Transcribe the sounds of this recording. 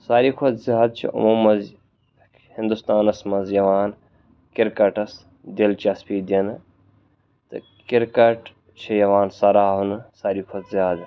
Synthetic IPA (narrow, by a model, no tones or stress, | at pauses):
saːɾiːkʰod̪zjaːd̪̚t͡ʃʰḭʔṵmuːmːɐz | hɪnd̪ust̪aːnɐsmɐzjɐʋaːn | kɪɾkɐʈɐs | d̪elt͡ʃɐspiːd̪iɐnɨ | t̪ɨ̰ | kiɾkɐʈ | t͡ʃʰijɐʋaːnsɐɾaːɦunɨsaːɾiːkʰod̪zjaːd̪